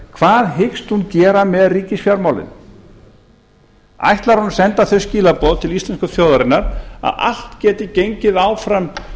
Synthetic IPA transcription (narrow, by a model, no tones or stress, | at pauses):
kʰv̥aːðɦɪkst̪huncɛːɾamɛðriːcɪsfjawɾmaːwlɪ̰n | a̰jht̪laɾ̥hun̥sɛnt̪aθœsciːlapɔðt̪ʰɪlist̪lɛnskʏθjowðaɾɪnːaɾa̰ða̰l̥t̪cɛːt̪ɪcejɲcɪðaːwfɾam